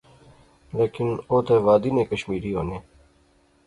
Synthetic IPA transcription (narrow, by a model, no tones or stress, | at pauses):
leːkinoːt̪eʋaːd̪ineːkəɕmiːɾioneː